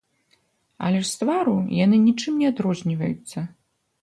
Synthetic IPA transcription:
ɐ̰lʲɛʂst̪vaɾujanɨnʲit͡ʂɨmnʲɛad̪ɾɔzʲnʲivɐjṵt̪sːɐ

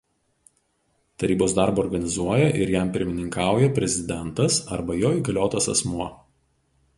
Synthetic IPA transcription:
t̪ɐɾʲiːboːsd̪ɑˑɾboːɾɡɐnʲɪzuɔjɛʔɪɾjæˑmpʲɪɾʲmʲɪnʲɪŋkɑˑʊjɛpʲɾʲɛzʲɪd̪ʲɛnt̪ɐsɐɾbɐjoːiːɡɐlʲoːt̪ɐsɐ̰smuɔ

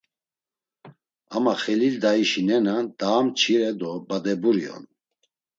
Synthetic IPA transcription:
amaχɛlild̪aiʃinɛnad̪̥aːmt͡ʃʰiɾɛd̪ɔbad̪ɛbuɾiɔ̰n

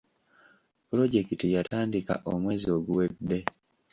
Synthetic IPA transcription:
pɾo̞ɟe̞kitijataːndika̰ʔomwe̞ːzio̞ɡuwe̞dːe̞

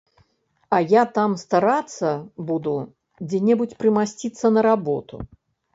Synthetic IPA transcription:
ɐjat̪amst̪aɾat̪sːɐbud̪u | d͡zʲɛnʲɛbut͡sʲpɾɨmasʲt͡sʲit̪sːɐnɐɾabɔ̰t̪ṵ

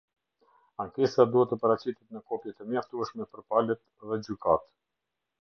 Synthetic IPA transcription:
aŋkɛsad̪uhɛt̪əpəɾat͡ɕit̪ɛt̪nəkɔpjɛt̪əmjaft̪uɛʃmɛpəɾpalɛt̪ | ðɛd͡ʑykat̪

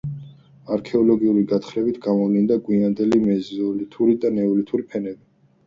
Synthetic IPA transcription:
aɾkʰɛɔlɔɡiuliɡat̪ʰχɾɛbit̪ʰɡamɔvlind̪aɡʼwiand̪ɛlimɛzɔlit̪ʰuɾid̪anɛɔlit̪ʰuɾipʰɛnɛbi

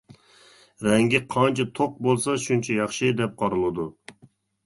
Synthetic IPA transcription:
ɾɛŋɡʲɛqʰɑnt͡ʃʰɛt̪ʰoq̚bolˠsɑʃunt͡ʃʰɛjɑχʃɪd̪ɛp̚qʰɑɾɨlˠɨd̪u

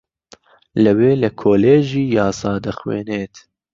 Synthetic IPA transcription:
ləweːləkʰoːleːʒiːjɑːsɑːd̪əxwḛːneːt̪

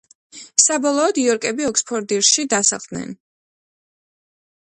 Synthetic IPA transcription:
sabɔlˠɔːd̪iɔɾkʼɛbiɔkspʰɔɾd̪iɾʃid̪asa̰χd̪nɛ̰n

